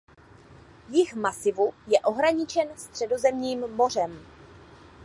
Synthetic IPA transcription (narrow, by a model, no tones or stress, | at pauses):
jɪxmasɪvujɛʔo̞ɦɾaɲɪt͡ʃɛnst̪r̝̥ɛdo̞zɛmɲiːmːo̞r̝ɛm